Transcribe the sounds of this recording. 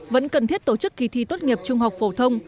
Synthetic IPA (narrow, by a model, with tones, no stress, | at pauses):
və̰˧˥nkə˨˩nt̪ʰi˦˥ət̚t̪o˧˩t͡ɕɨ˦˥kːi˧t̪ʰi˧t̪o˦˥t̚ŋi˨˩əp̚t͡ɕʊ˧ŋ͡mɦa˨˩wk͡p̚fo˧˩t̪ʰə˧wŋ͡m